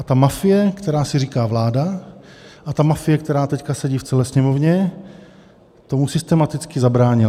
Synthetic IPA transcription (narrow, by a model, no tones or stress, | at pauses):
ʔat̪amafɪjɛkt̪ɛɾaːsɪɾiːkaːvlaːda | ʔat̪amafɪjɛkt̪ɛɾaːt̪ɛckasɛɟiːft͡sɛlɛːsɲɛmovɲɛ | t̪omusɪst̪ɛmat̪ɪt͡skɪzabɾaːɲɪla